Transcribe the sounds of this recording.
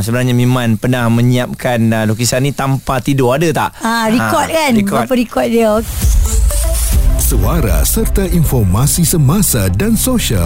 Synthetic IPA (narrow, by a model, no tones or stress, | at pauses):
səbənarɲamĩmãnpənahmə̃ɲiap̚kanlok̬isanːĩt̪ampat̪idʊadət̪aʔãɾikɔt̪̚kanikɔapəɾikɔt̪̚diəok | səaɾa̰sərt̪aʔinfɔrmasisəmasadansoʃia̰l